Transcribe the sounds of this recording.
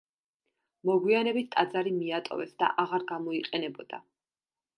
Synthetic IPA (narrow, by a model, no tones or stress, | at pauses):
mɔɡwianɛbit̪ʰt̪ʼad̪zaɾimiat̪ʼɔ̰vɛsd̪a̰ʔaʁaɾɡamɔiqʼɛnɛbɔd̪̥a̰